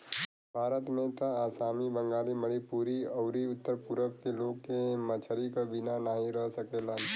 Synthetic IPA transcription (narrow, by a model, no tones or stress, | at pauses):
bʱaːɾət̪mẽt̪aaːsaːmibə̃ŋɡaːliməɽipuːɾiɐʊɾiʊt̪ːəɾpuɾəkkeloːɡkemət͡ʃʰəɾikabinanaːɦĩɾəɦsəkeːlan